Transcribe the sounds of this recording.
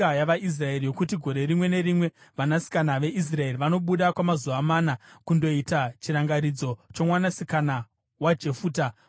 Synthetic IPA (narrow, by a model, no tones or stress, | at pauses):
ajaʋais̬rae̞rijo̞kutiɡʱo̞ɾe̞rimwe̞ne̞ɾimwe̞ʋanasi̥kanaʋe̞ʔis̬rae̞riʋano̞ɓuɗakwamazuʋamanakundo̞itat͡ʃiɾaŋɡaɾid͡zo̞t͡ʃomwanasikana | wad͡ʒe̞fuːta